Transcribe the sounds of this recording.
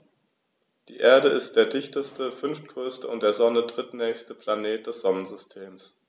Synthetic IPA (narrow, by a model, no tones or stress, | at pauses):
d̥ḭːʔeːɐɾəʔɪstd̥eːɐdɪçtəstəfʏnftɡ̥ʁ̥øːstəʊntd̥eːɐzɔnədʁɪtnɛːçstəpʰl̥aneːt̚d̥ɛsz̥ɔnən̩zʏstʰeːms